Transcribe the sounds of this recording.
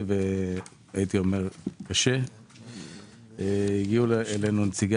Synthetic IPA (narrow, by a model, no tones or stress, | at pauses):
ve | ajit̪io̞me̞ʁkaʃe | iɡiulelenunt͡siɡ